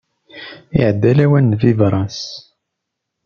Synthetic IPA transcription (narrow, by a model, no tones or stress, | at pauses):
ḭʕd̪ːælæwænːðivɾˤɑns